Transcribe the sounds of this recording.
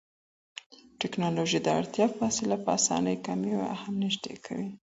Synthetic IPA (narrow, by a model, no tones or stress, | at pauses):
ʈɪknɑloʒid̪əa̰ɽt̪jɑfɑsɪlapəasɑ̰nəjkamewahamnɪʒd̪ḛkʰa̰wi